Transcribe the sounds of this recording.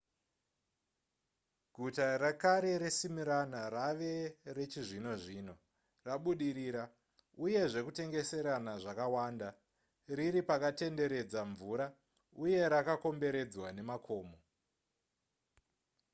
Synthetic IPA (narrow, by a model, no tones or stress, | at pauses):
ɡʱutarakaɾe̞ɾesimiɾanaraʋe̞ret͡ʃiʐino̞ʐiːno̞ | raɓuɗiɾiːɾa | uje̞ʐe̞kute̞ŋɡe̞se̞ɾanaʐakawaːnda | riɾipakate̞nde̞ɾe̞d͡zaɱvuɾa | uje̞ɾakako̞mbe̞ɾe̞d͡zwane̞makʰo̞ːmo